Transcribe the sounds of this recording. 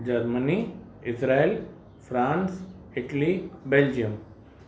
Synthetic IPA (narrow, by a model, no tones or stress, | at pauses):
d͡ʑɐɾməni | ɪsɾael | fʰɾãːnsɪʈlibeld͡ʒijəm